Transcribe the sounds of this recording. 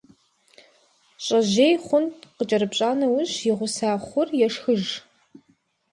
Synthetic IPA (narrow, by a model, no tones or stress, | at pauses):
ɕʼɐʑeːjχʷʊntqət͡ʃʼɐɾɨpɕʼaːnɐwʊʑjɪʁʷʊsaːχʷʊrjɛʂxɨʒ